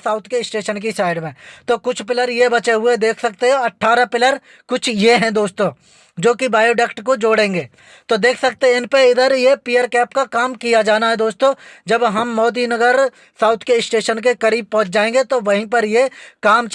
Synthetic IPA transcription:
saːʊt̪ʰkesʈeːʃənk̬isaːɪɖmẽːt̪oːkʊt͡ʃʰpɪləɾjebɐt͡ʃeɦʊed̪eːkʰsɐk̚t̪eɦɛ̃ɐʈʰːaːɾapɪləɾ | kʊt͡ʃʰjeɦɛ̃d̪oːst̪õː | d͡ʒoːkibaːjoːɖɛkʈkod͡ʒoːɽẽːŋɡeː | t̪oːd̪eːkʰsɐk̚t̪eɦɛ̃ɪnpeɪd̪əɾjepiːjəɾkɛːpkakaːmkijad͡ʒaːnaɦɛd̪oːst̪õːd͡ʒɐbɦɐmːɔːd̪inɐɡəɾ | saːʊt̪ʰkesʈeːʃənk̬ekɐɾiːb̚pɔ̃ɦt͡ʃd͡ʒaːẽːŋɡet̪oʋɐɦĩpɐɾjekaːmt͡ʃ

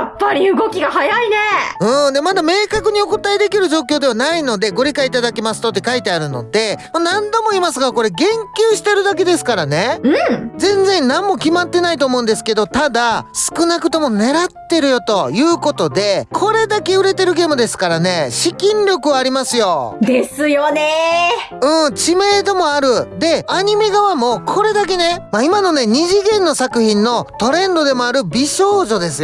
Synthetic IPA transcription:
apːaɾʲiɯɡo̞kʲiɡahajaine̞ɯ̟̃ːd̪emad̪ame̞ːkakɯ̟ɲ̟io̞ko̟t̪aid̪e̞kʲiɾɯ̟ʑo̞ːkʲo̞ːd̪e̞βanaino̞d̪e̞ɡo̞ɾʲikaiːt̪ad̪akʲemasɨ̥t̪o̞t̪ːekait̪e̞aɾɯ̟no̞̰d̪e̞monãnd̪o̞mo̞iːmasɨɡako̞ɾe̞ɡẽ̞ŋkʲɨːɕi̥t̪e̞ɾɯ̟d̪ak̬e̞d̪e̞sɨ̥kaɾane̞ɯ̟zẽ̞nd͡zẽ̞nnãmːo̞kʲimat̪ːe̞nait̪o̞ːmoɯ̟̃nd̪e̞sɨ̥ke̞d̪o̞t̪ad̪asɨ̥kɯ̟nakɯ̟̥t̪o̞mo̞ne̞ɾat̪ːe̞ɾɯ̟jo̞t̪o̞jɯ̟ːko̞t̪o̞d̪e̞kʰo̞ɾe̞d̪ake̞ɯ̟ɾe̞t̪e̞ɾɯ̟ɡe̞ːmɯ̟d̪e̞sɨ̥kaɾane̞ɕikʲĩnɾʲo̞kɯ̟βaːɾʲimasɨjo̞d̪e̞sɨjone | ɯ̟̃ːt͡ɕime̞ːt̪o̞mo̞aɾɯ̟d̪e̞aɲ̟ime̞ɡaβamo̞ːkʰo̞ɾe̞d̪ak̬e̞ne̞maimano̞ne̞ɲ̟iʑiɡẽ̞nːo̞sakɯ̟çĩnːo̞t̪o̞ɾẽ̞nd̪o̞d̪e̞mo̞aɾɯ̟bʲiɕo̞ːʑo̞d̪e̞sɨj

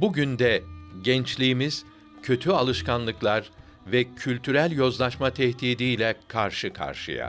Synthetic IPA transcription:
buɟynd̪ɛɟɛnt͡ʃlʲijːmiz̥ | cʰø̞t̪ʰyalˠɯʃkanlˠɯklˠaɾ | vɛcʰylʲt̪ʰyɾælʲjo̞zlˠaʃmat̪ʰɛht̪iːd̪ijlʲɛkʰaɾʃɯkʰa̰ɾʃɯ̰ja̰

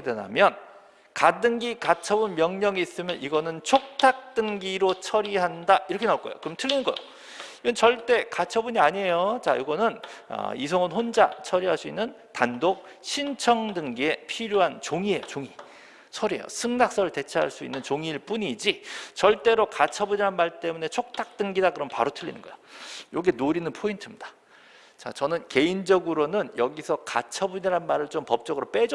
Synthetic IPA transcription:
dena̰mjʌn | kat͈ɯŋɡikat͡ɕʰʌbunmjʌŋɲʌŋiis͈ɯmjʌnʔiɡʌnɯnt͡ɕʰok̚tʰak̚t͈ɯŋɡiɾot͡ɕʰʌɾiɦandaiɾʌkʰenaoɭk͈ʌjo̰kɯɾʌmtʰɯʎːinɯnɡʌjo | iɡʌnt͡ɕʌɭt͈e̞kat͡ɕʰʌbuɲiaɲiejot͡ɕa̰iɡʌnɯnʌ̰is̬ʰoŋɯnɸond͡ʑat͡ɕʰʌɾiɦaɭs͈uinːɯn | tandok̚ | ɕʰint͡ɕʰʌŋdɯŋɡiepʰiɾjoɦant͡ɕoŋie̞jot͡ɕoŋi | sʰʌɾiejo̰sʰɯŋnak̚s͈ʌɾɯɭte̞t͡ɕʰaɦaɭs͈uinːɯnt͡ɕoŋiɭp͈uɲid͡ʑit͡ɕʌɭt͈e̞ɾokat͡ɕʰʌbuɲiɾanmaɭt͈e̞mune̞t͡ɕʰok̚tʰak̚t͈ɯŋɡidakɯɾʌmpaɾotʰɯʎːḭnɯnɡʌjojoɡenoɾinɯnpʰointʰɯmɲid̥a | t͡ɕat͡ɕʌnɯnke̞ind͡ʑʌɡɯɾonɯnjʌɡisʰʌkat͡ɕʰʌbuɲiɾɦanmaɾɯɭt͡ɕompʌp̚t͡ɕ͈ʌɡɯɾop͈e̞d͡ʑ

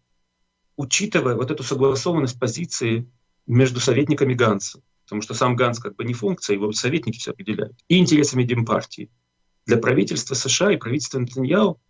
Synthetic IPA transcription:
ʊt͡ɕit̪ɨvəjəvot̪ɛt̪ʊsəɡlˠɐso̞vənːəsʲt̚ʲpɐzʲit̪sɨɪ | mʲeʐd̪ʊsɐvʲetʲnʲɪkəmʲɪɡant̪sə | pə̥t̪ɐmuʂt̪osamɡantskaɡ̚bɨnʲɪfunk̚t̪sɨjəjɪvosɐvʲet̚ʲnʲɪkʲɪ̥fʲsʲoɐpɾʲɪdʲɪlʲæ̰jʊt̪iɪnʲtʲɪɾʲe̞səmʲɪdʲɪmpa̰rtʲɪɪ | d̪lʲɐpɾɐvʲitʲɪlʲst̪vəsɨʂɨaɪpɾɐvit̬ʲɪlʲst̪vʲɪnt̪ɨnʲjalˠ

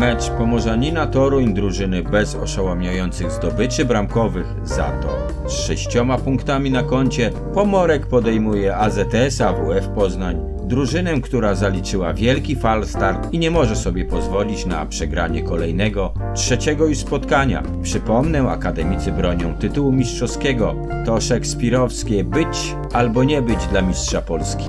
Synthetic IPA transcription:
mɛt͡ʂpɔmɔʐaɲinat̪ɔɾuɲd̪ɾuʐɘnɘbɛzɔ̰ʂawamɲajɔnt̪sɘɣzd̪ɔbɘt͡ʂɘbɾamkɔvɘx | za̰t̪ɔ̰ | sʂɛɕt͡ɕɔmapuŋkt̪amʲinakɔɲt͡ɕɛ | pɔmɔɾɛkpɔd̪ɛjmujɛazɛt̪ɛsavuɛfpɔznaɲ | d̪ɾuʐɘnɛkt̪uɾazalʲit͡ʂɘwavʲjɛlkʲifalst̪aɾt̪iɲɛmɔʐɛsɔbʲjɛpɔzvɔlʲit͡ɕna̰pʂɛɡɾa̰ɲɛkɔlɛjnɛɡɔ | tʂɛt͡ɕɛɡɔuspɔt̪kaɲa̰ | pʂɘpɔmnɛa̰kad̪ɛmʲit̪sɘbɾɔɲɔ̃w̃t̪ɘt̪uwumʲistʂɔskʲɛɡɔ | t̪ɔʂɛkspʲiɾɔfskʲɛbɘt͡ɕ | albɔɲɛbɘd͡ʑd̪lamʲistʂapɔlskʲi̥

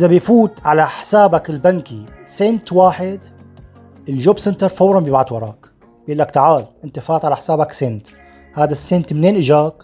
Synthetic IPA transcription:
ʔɪzabɪjfuːt̪ʕalaħɪ̥saːbakɪlbankisent̪waːħɪd̪ | ʔɪlʒoːbsɪnt̪ɨɾˤfɑwɾˤɑmbibaʕt̪wɑɾˤɑ̰ːk | b̥ʔɪlːakt̪aʕaːlʔɪnt̪afaːt̪ʕalaħɪ̥saːbaksent̪ | haːd̪asːent̪mneːnʔɪʒaːk

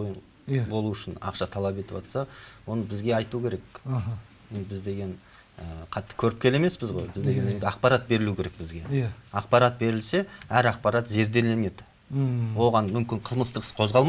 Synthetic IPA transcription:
j | bo̞lˠuʏʃɪnɑ̰qʃɑt̪ʰɑlˠɑpe̞t̪ɪpɑt̪sɑwo̞nəbɪzɡʲe̞ɑjt̪ukʲʰe̞ɾe̞k | jend̪ɪbɪzd̪e̞ɡʲe̞ɴ | əqʰɑt̪ːə̥kʲʰɵɾɪp̚kʲʰe̞le̞me̞sbɪzʁojbɪzd̪eɡe̞ne̞nd̪ɪɑq̚pɑɾat̪̚be̞ɾɪlukʲʰe̞ɾe̞k̚bɪzɡʲeɑq̚pɑɾɑt̪̚be̞ɾɪlse̞æɾɑq̚pɑɾɑt̪ze̞ɾd̪e̞le̞ne̞d̪ɪ | wo̞ʁɑnmʏmkʲɪɴqʰəlˠməst̪əqəsqʰo̞zʁɑlˠm

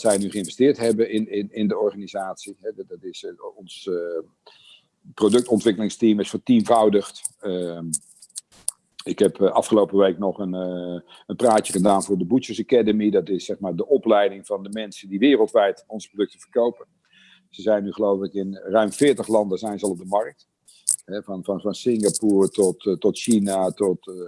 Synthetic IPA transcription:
zɛjnyχəɪ̃nvɛstɪːɹtɦɛbənɪnɪnɪndəɔɹχaːnizaːtsiɦɛdɑtɪsɔns | prowdɵk̚tɔntʋɪkəlɪŋstimɪsfətimvɔwdəχtə | ɪkɦɛpʔɑfχəlowpəʋejknɔχən | ənpraːtjəχədaːnvʊːɹdəbusəsakadəmidɑtɪsːɛχmaːɹdəʔɔplɛjdɪŋvɑndəmɛnsəndiʋɪːrəlˠtʋɛjtɔnzəprodɵktəv̥əɹkowpən | z̥əzɛjnːyχəlowvələkɪnrœɥmfɪːɹtəχlɑndəzɛjnzəɑlˠɔb̚dəmɑɹk̚t | ɦɛvnvɑnvɑnsɪŋɡapuːɹtɔttɔtʃinatɔt

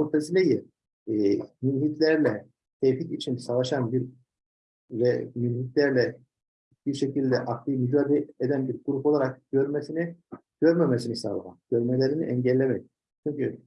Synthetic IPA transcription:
uɾt̪ʰazilʲeji | mynɦit̪lʲæɾlʲɛ | c̪ʰejfit̪it͡ʃʰinsavaʃanbiɾ | vɛmynɦit̪lʲæɾlʲɛ | biɾʃecilʲd̪ɛʔaklˠɯmyd͡ʒaːd̪ied̪ænbiɾɡuɾupo̞lˠaɾak̚ɟ̥ø̞ɾmɛsiniɟ̥øɾmɛmɛsiniisablˠaha̰nɟ̥øɾmelʲeɾiniʔɛɲɟɛlʲːemɛc | t͡ʃʰyɲcʰy

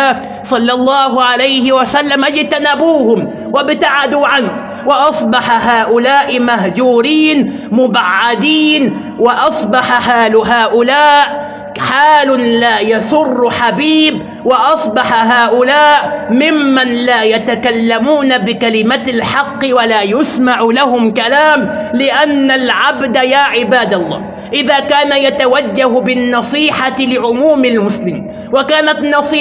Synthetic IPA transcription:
sˤɑlːɑlˤːɑːɦʊʕalajhɪwasalːamʔad͡ʒt̪anabuːhʊm | wabt̪aʕad̪uːʕanh | wɪʔɑsˤbɑħaɦaːʔʊlaːʔɪmaɦd͡ʒuːɾiːn | mʊbaʕːad̪iːn | wɪʔɑsˤbɑħaħaːlʊɦaːʔʊlaːʔ | ħaːlʊlaːjasʊrːħabiːb | wɑʔɑsˤbɑħaɦaːʔʊlaːʔmɪmːanlaːjat̪akalːamuːnabɪkalɪmalħɑqːɪwalaːjʊsmaʕʊlaɦʊmkalaːmlɪʔanːalʕabd̪ajaːʕɪbaːd̪ɑlˤːɑ̰ː | ʔɪðaːkaːnajat̪awad͡ʒːahbɪnːɑsˤiːħalɪʕʊmuːmalmʊslɪmḭːn | wakaːnat̪nːɑsˤiː

